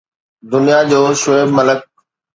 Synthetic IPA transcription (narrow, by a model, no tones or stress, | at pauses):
d̪ʊnijad͡ʑoːʃoebmɐlək̚